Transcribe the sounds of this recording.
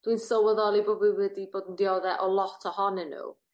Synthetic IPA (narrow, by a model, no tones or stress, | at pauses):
d̥winsɔwəðɔlˠiboːdvɨwɛdiboːdəndiɔðɛʔɔlˠɔtʰɔhɔnɪnṵ